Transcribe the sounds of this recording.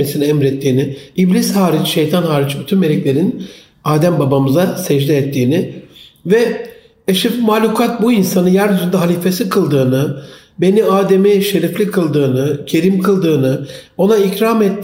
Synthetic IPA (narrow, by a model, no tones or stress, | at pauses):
esinɛɛmɾɛt̪ʰːiːnɪiblʲishaːɾit͡ʃʃejt̪ʰanɦaːɾit͡ʃbyt̪ʰynme̞lʲɛclʲe̞ɾin | aːd̪æmbabamɯzasɛd͡ʒlʲɛːt̪ʰːiːnɪvɛ | eʃifmaːlʲukʰat̪̚buinsanɯjæɾd̪yzynd̪ɛɦalʲiːfe̞sikʰɯlˠd̪ɯːnɯ | be̞niaːd̪e̞miʃe̞ɾiflʲikʰɯlˠd̪ɯːnɯcʰe̞ɾimkʰɯlˠd̪ɯːnɯo̞naicɾamɛt̪ː